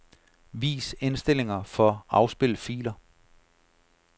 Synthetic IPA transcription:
ʋḭːse̝nsd̥e̝le̝ŋɐfɒ̽ɑ̈ʊsb̥e̝ləfḭːlɐ

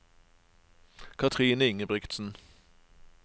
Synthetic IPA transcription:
kʰɑt̪ʰʁiːnəɪŋəbʁɪkt̪sn̩

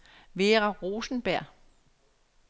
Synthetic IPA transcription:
ʋeːʁɑʁoːsn̩b̥æɐ̰

